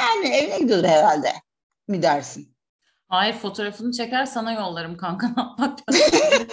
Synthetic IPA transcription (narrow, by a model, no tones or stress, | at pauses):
jæːnievinɛɟid̪ijod̪uɾheɾælʲd̪ɛ̰ | mid̪æɾsin | haːjiɾfo̞t̪ʰo̞ɾafɯnɯt͡ʃʰe̞cæɾsanajo̞lˠːaɾɯmkʰankʰanap̪̚makʰa